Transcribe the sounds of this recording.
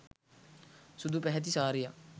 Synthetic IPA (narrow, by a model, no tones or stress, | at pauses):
sʊd̪uːpɛɦɛt̪̬iːsaːɾijaː